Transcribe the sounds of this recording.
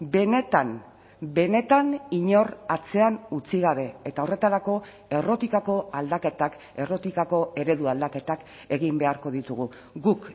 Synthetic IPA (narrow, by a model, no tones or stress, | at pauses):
be̞ne̞t̪am | be̞ne̞t̪aniɲo̞rat͡se̞anut͡siɣaβ̞e̞et̪aore̞t̪aɾako̞ | ero̞t̪ikako̞ald̪aket̪ak | e̞ro̞t̪ikako̞e̞ɾe̞ðuald̪ake̞t̪ak | e̞ɣimbe̞aɾko̞ðit̪uɣ̞u | ɣuk